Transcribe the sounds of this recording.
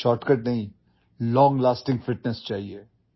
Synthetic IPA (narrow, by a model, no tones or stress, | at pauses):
ʃɔːɾʈkəʈnɐɦĩ | lɔ̃ːŋɡlaːsʈɪ̃ŋɡfɪʈnɛst͡ʃaːɦieː